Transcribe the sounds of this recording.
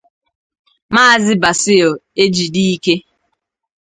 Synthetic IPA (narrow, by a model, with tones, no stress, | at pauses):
maː˦a˨zɪ˦ba˨sɪ˦o˨e˦d͡ʒi˨di˦i˦ke˦